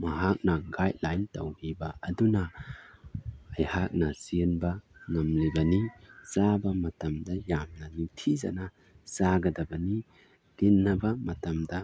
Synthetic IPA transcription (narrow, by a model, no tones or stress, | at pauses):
mɐɦak̚nɐɡajt̚lajntɐ̰wɡibɐɐdunɐ | ɐjhak̚nɐsinbɐŋɐmlibɐnizabɐmɐtɐmdɐjamnɐnitʰizɐ̰nɐ | z̥aɡɐdɐbɐni | ɡ̥inːɐbɐmɐtɐmdɐ